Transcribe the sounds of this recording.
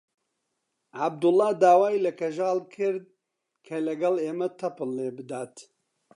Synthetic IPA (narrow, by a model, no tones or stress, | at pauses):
ʕab̚d̪ʊlːɑːd̪aːwaːjlɐkɐʒaːlkʰɨɾd̪̚ | kʰɐlɐɡɐleːmɐt̪ʰɐpɨlːeːbɨd̪aːt̪